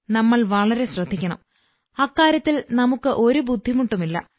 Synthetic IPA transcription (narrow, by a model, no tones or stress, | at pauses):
nɐmːɐɭʋɐɭɐɾe̞ɕrɐd̪ʱːikʲːɐɳɐ̰m | ɐːkːaːɾjɐt̪ːilnɐmukːɨʔo̞ɾubud̪ʱːimuʈːumilːɐ̰